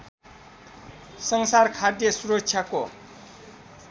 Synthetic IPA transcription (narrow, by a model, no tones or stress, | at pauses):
sʌŋsarkʰad̪jʌsuɾʌk̚t͡ʃʰjako